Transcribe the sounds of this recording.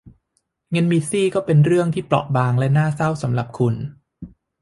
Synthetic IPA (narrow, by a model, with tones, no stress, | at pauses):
ŋɤ˧nmi˦˧siː˥˩kɔː˥˩pe˧nɾɯ˥˩əŋt̪ʰiː˥˩plɔ̰˨˩ʔ̚baː˧ŋlɛ˦˥naː˥˩sa˥˩wsa˩˦mla˨˩p̚kʰu˧n